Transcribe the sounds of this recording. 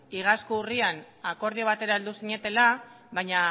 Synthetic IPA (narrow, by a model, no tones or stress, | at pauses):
iɣaskuurian | ako̞ɾðioβ̞at̪e̞ɾaeld̪usiɲe̞t̪e̞la | βajɲa